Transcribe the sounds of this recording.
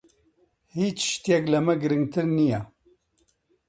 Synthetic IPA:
hiːt͡ʃʃt̪ijɛklɐmɛɡɨɾɨŋɡ̚t̪ʰɨɾnija

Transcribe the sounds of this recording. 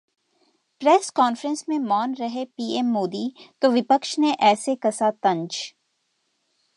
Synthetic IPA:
pɾɛːskɔːnfɾə̃nsmẽmɔːnɾɐɦepiːɛmːoːd̪iːt̪oʋɪpəkʃneʔɛːsekɐsat̪ɐ̃ɲd͡ʒ

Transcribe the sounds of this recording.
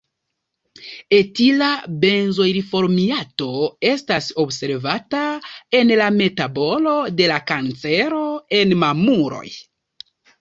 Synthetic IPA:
e̞tilabe̞nzojɾifo̞ɾmiato̞e̞staso̞bse̞ɾvatae̞nlame̞tabo̞lo̞de̞lakant͡se̞ɾo̞e̞nmamuɾo̞̰j

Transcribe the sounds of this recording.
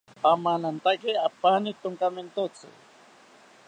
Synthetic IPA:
pamanant̪akɪapanɪt̪ʊŋkament̪ot͡sɪ̰

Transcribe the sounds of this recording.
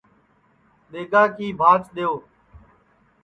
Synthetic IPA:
ɗeːɡaːkiːbʱaːt͡ʃɗɪjoː

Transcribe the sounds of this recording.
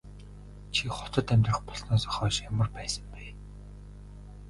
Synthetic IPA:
t͡ɕʰiχʊ̥t̪ə̆t̪æmʲt̪rə̆χpɔɮnɔːsɔ̥χɔːʃjamə̆rpæːsə̆mpæː

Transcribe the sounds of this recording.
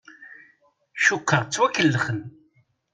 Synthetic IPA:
ʃʊqːəʁt͡sːwækːəlːəχən

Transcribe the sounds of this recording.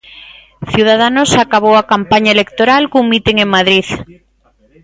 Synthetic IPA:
θjuð̞að̞anosakaβ̞owakampaɲaelekt̪oɾalkuŋmit̪eŋeŋmað̞ɾiθ

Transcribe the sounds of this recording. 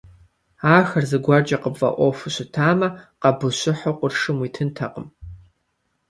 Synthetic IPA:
aːxɐrzɨɡʷɐrd͡ʒɐqəbvɐ̰ʔʷofuɕɪtʰaːmɐqɐbɨɕʷɪħoqʷʊrʂɨmwiːtʰɨntʰɐqʼəm

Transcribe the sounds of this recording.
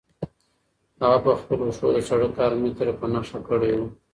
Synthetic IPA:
haɣapəxpəlosod̪ət͡ʃaɽəkɑɾmɪt̪ɾepənaʂakəɽewu

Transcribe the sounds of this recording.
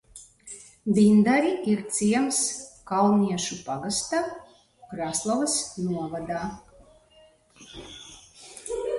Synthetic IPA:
vʲind̪aɾiʔiɾt̪siɛmskalˠnʲiɛʃupaɡast̪a | kɾaslˠɔvasnuɔvad̪aː

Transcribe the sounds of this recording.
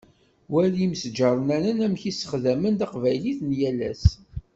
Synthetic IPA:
wælimsd͡ʒɑɾˤənænənæmçisə̥χðæmənd̪ɑqvæjliθnjælæ̰s

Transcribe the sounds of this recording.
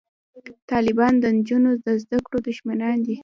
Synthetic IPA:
t̪ɑlɪbɑnd̪ənd͡ʒunod̪əzd̪akɽod̪uʒmanɑnd̪i

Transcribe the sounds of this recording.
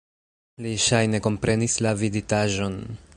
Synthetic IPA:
liʃajne̞ko̞mpɾe̞nislavizitaʒo̞n

